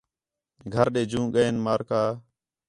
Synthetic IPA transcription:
ɡʱəɾɗeːd͡ʒũːɠəeːnmaːɾkaː

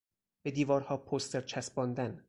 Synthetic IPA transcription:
b̥e̞d̪iːvɒːɾhɒːpʰost̪eɾt͡ʃʰæsbɒːnd̪æn

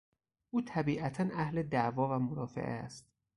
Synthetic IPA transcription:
ʔuːt̪ʰæbiːʔæt̪ʰænʔæhled̪ævɒːvæmoɾɒːfḛʔḛst̪̚

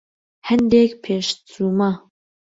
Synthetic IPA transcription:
hɛnd̪ekpʰeːʃt͡suːma

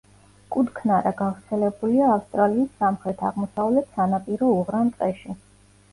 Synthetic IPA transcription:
kʼud̪kʰnaɾaɡanvɾt̪sʰɛlɛbuliaːfst̪ʼɾaliːsːamχɾɛt̪ʰaʁmɔsavlɛt̪ʰsanapʼiɾɔuʁɾant̪ʼqʼɛʃi

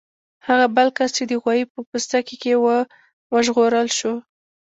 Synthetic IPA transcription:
haɣabəlkast͡ʃed̪əɣwɑjipəpəst̪akekewə | wəʒɣoɾəlʃo

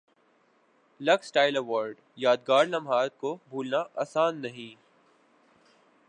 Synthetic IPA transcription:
lɐɡsʈaːɪlɐʋaːɾɖ | jaːd̪̚ɡaːɾlɐ̃mɦaːt̪̚kobʱuːlnaʔaːsaːnːɐɦĩː

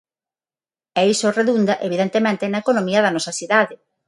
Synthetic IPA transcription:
ɛisoreðund̪ɐʔeβiðent̪emẽnt̪enɐekonomiɐðɐnɔsɐsiðaðɪ

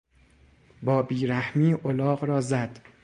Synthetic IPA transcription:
bɒːbiːɾæhmiːʔolɒːɢɾɒːzæd̪̥

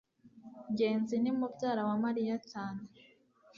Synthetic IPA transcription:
ɟe̞ːnzinimubɟaːɾawamaɾijacaːne

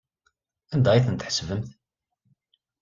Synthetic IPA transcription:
ænd̪æjiθənt̪ħsvəmθ

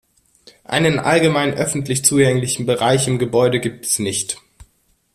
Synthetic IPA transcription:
ʔa̰ɪnənʔa̰lɡəmaɪnʔœfn̩tlɪçt͡suːɡɛŋlɪçn̩bəʁaɪçɪmɡəbɔʏdəɡiːp̚tɛ̥snɪçt

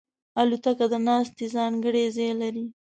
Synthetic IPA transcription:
alut̪akad̪ənɑst̪ezɑŋɡəɽezelaɾi

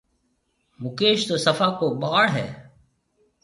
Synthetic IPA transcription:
mʊkeːʃt̪oːsəfaːkoːɓaːɽɦɛ̰ː

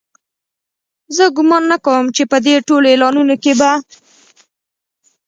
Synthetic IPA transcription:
zəɡʊmɑnːakawəmt͡ʃepəd̪eʈolelɑnunokeba

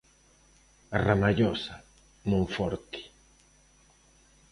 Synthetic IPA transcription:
aramaʎɔsa | mõɱfɔɾt̪i̥

